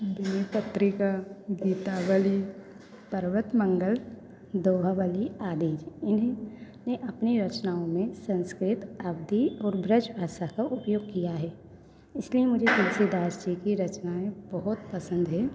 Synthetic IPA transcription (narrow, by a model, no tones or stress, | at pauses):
d̪eːpɐt̪ɾɪkaɡiːt̪aʋəli | pɐɾʋət̪mə̃ŋɡəl | d̪oːɦaʋəliaːd̪iːd͡ʒɪn | neʔɐpniɾɐt͡ʃnaːõmẽsə̃nskɾɪt̪ɐbd̪ʱiɔːɾbɾət͡ʃbʱaːʃakaʔʊpjoːɡ̚kijaɦɛː | ɪsliemʊd͡ʒʱetɛːsid̪aːsd͡ʒikiɾɐt͡ʃnaẽbɐɦʊt̪̚pɐsə̃nd̪ɦɛː